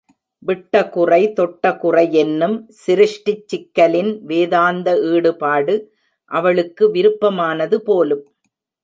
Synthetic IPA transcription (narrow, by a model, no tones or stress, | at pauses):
ʋɪʈːɐkʊrɐɪt̪ɔʈːɐkʊrɐɪɛnːɯmsɪɾɯʂʈɪt͡ʃːɪkːɐlɪnʋeːðaːnd̪ɐiːɽɯpaːɽɯ | ʔɐʋɐɭɯkːɯʋɪɾɯpːɐmaːnɐðɯpoːlɯm